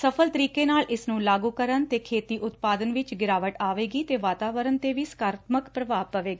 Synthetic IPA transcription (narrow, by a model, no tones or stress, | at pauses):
səpʰəlt̪əɾiːkeːnaːlɪsnũːlaːɡuːkəɾənt̪eːkʰeːt̪iːʔʊt̪paːd̪ənʋɪt͡ʃɡɪɾaːʋəʈaːʋeːɡiːt̪eːʋaːt̪aːʋəɾənt̪eːʋiːsəkaːɾət̪ʰməkpɾəʋaːpːəʋeːɡaː